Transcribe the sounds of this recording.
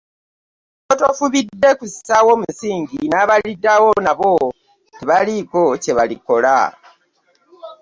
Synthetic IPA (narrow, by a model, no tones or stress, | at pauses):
otofuβidːe̞kusisawo̞ːmusiːɲɟinaːβalidːawo̞naβo | teβaliko̞ce̞βaliko̞la̰